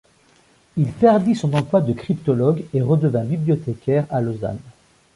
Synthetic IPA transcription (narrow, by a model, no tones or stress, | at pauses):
ilpɛʁd̪isɔ̃nɑ̃plwad̪əkχipt̪ɔlɔɡeʁəd̪əvɛ̃biblijɔt̪ekʲɛʁaloza̰n